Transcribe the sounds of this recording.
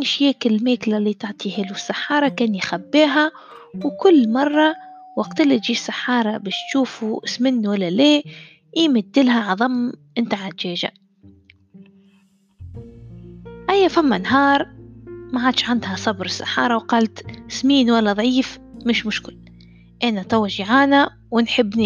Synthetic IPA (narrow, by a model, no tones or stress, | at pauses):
nʃjeːkɪlmeːklalit̪ʊʕt̪ʰˤihɪlusːaħːɑːɾˤɑkeːnjxabːiːɦa | wkʊlːmɑrˤːɑ | waqt̪ɪlːit̪̚d͡ʒiːsːaħːɑːɾˤɑbɪːʃt̪ʃuːfusmɪnːwalːaleː | ʔiːmɪd̪ːɪlɦaʕɑðˤɑmːʔɪnt̪aʕat̪d͡ʒeːd͡ʒa̰ | ʔajːafamːanɦɑːɾˤmaʕad̪ʃʕand̪hasˤɑbɾɪsːḁ̰ħɑ̰ːɾˤɑwqɑːlt̪smiːnwalːaðˤʕiːfmɪʃmʊʃkɪl | ʔɪnat̪awːaʒiʕaːna | wɪnħɪbːni